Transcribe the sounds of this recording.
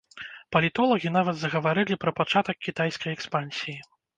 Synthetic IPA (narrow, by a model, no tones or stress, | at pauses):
pɐlʲit̪ɔlˠɐɣʲinavɐd̪zɐɣɐvaɾɨlʲipɾɐpat͡ʂat̪ɐk̚ʲkʲit̪ajskɐjɛkspanʲsʲiji